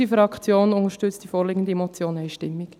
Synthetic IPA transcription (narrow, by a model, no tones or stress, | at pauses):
ifɾɑkt͡sjoːnʊŋəɾʃtʏt͡std̥ifoːɾliɡən̩diemot͡sjoːnɛɪʃtɪmːik